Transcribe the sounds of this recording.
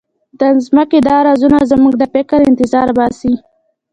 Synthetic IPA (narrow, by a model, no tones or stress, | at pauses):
d̪əzməked̪ɑɾɑzunazmuɡd̪əfɪkəɾɪnt̪ɪzɑɾbɑsi